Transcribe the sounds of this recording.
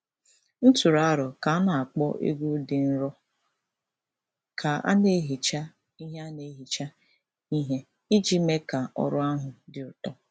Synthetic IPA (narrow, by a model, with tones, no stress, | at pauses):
n̩˦tu˨ɾa˨˦ɾɔ˨ka˨a˦na˨a˨k͡pɔ̰˦ʔḛ˦ɡu˦dɪ˨n̩˦ɾɔ˦ | kʰa˨a̰˦ne˨˦ɦi˨t͡ʃa˦ | i˦ɦe˦a˦ne˨˦ɦi˨t͡ʃa˦ | i˦ɦe˦ | i˦d͡ʒi˦me˦ka˨ʔɔ̰˨ɾʊ˦a˦ɦʊ˨dɪ˨ɾʊ˨tɔ˦